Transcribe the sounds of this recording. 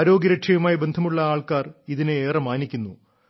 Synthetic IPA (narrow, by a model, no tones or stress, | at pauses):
ɾo̞ːɡjɐɾɐkʂɐjumaːjibe̞nd̪ʱɐmuɭːɐaːɭkaːriðineeːrɐmaːnikʲːunːu